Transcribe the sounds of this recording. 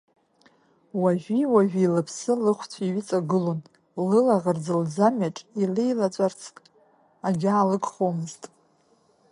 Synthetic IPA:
waʒʷᶣiwaʒᶣiilɨpʰsɨlɨχʷt͡sʷʰiɥɪt͡sʼaɡɨlo̞n | lɨlaʁərd͡zɨld͡zamaʈ͡ʂʼilejlat͡sʷʼart͡sʰkʼ | aɡʲaːlɨkʰʼχomɨztʼ

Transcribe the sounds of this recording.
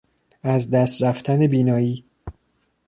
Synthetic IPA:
æzd̪æst̪ɾæft̪ʰæne̞biːnɒːjiː

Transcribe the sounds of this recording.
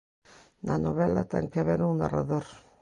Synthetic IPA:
nanoβelat̪ḛŋkeaβeɾuŋna̰ra̰ðoɾ

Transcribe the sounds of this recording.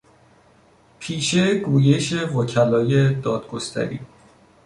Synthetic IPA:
pʰiːʃe̞ɡuːje̞ʃe̞vocʰælɒːje̞d̪ɒːd̪̥̚ɡo̞st̪ʰæ̰ɾḭː

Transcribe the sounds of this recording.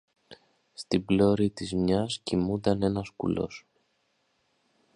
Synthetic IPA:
st̪iblo̞ɾit̪izmɲɐscimund̪ɐne̞nɐskṵlo̞̰s

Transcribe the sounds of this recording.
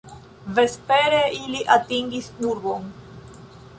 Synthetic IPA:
ve̞speɾeʔiliʔatiŋɡisnuɾbo̞n

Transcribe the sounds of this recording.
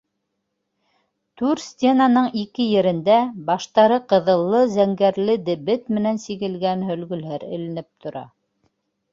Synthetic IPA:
t̪ʉɾsʲt̪ʲenanɤɴikɘjɘ̆ɾɘ̆nd̪æbɑʃt̪ɑɾɤqɤ̆ðɤ̆lˠːɤzæŋɡæɾlɘd̪ɘ̆βɘt̪mɘ̆nænsiɣɘ̆lɡænɦɵ̆lɡɵ̆lɦæɾɘ̰̆lɘ̆nɘp̚t̪ʰŏɾɑ̰

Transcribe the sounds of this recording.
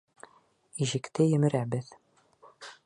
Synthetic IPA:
iʑɘ̆kt̪ɘjɘ̆mɘ̆ɾæbɘð

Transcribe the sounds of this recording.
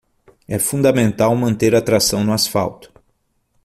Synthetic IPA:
ɛfũd̪ɐmẽnt̪awmɐ̃nt̪eɾat̪ɾasɐ̃w̃nʊasfa̰wt̪ʊ̥

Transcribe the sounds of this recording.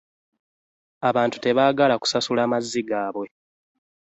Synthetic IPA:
aβaːntu̥te̞βaːɡalaku̥sasulaːmazːiɡaːβwe̞

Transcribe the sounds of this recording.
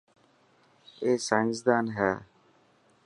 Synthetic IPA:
eːsaːɪ̃nsd̪aːnɦɛː

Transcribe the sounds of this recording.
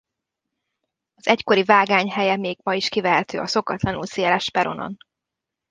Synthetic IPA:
ɒz̥ɛcko̞ɾivaːɡaːɲɦɛjɛmeːɡ̥mɒjiʃkivɛɦɛt̪ø̰ːɒso̞kɒt̪lɒnṵlseːlɛʃpɛɾo̞̰no̰n

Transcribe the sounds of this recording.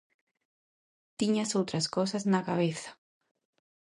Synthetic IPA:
t̪iɲasowt̪ɾaskɔs̬ɐznakaβeθḁ

